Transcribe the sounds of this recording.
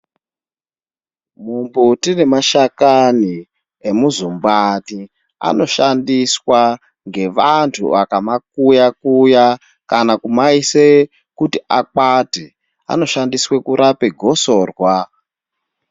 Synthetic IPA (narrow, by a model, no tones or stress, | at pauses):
mumbutinemaʃakani | emuzumbani | a̰no̞ʃandiswa | ŋɡe̞ʋantʰṵʋakamak̚ujakuja | kanakumaise | kutiʔakate | a̰no̞ʃandiswe̞kuɾʔapeɡʱo̞so̞ːrwa